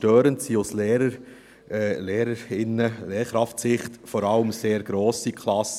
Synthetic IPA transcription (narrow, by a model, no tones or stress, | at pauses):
tøːɾəntsiosleːɾə | leːɾəɾɪnːəleːɾkɾɑftsɪχtfɔɾɑləmseːɾɡ̥ɾoːsikʰlɑs